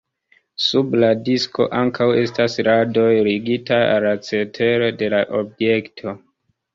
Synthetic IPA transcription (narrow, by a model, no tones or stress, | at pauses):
subladisko̞̰ʔaŋkʰawe̞stasɾado̞jɾiɡitaa̰lat͡se̞tʰe̞ɾode̞laʔo̞bje̞ktʰo̞